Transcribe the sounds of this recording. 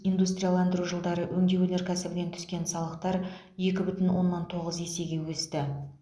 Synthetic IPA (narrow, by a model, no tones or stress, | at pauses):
ijnd̪ust̪rijalˠɑnd̪əɾuʒəlˠd̪ɑɾəwʔɵŋd̪e̞wɵne̞ɾkʲʰæsɪbɪne̞nt̪ʰʏ̥skʲe̞nsɑlˠəq̚t̪ɑɾ | je̞kʲɪbʏt̪ɪnwʔo̞nːɑnt̪ʰo̞ʁəze̞se̞ɡʲe̞wɵst̪ɪ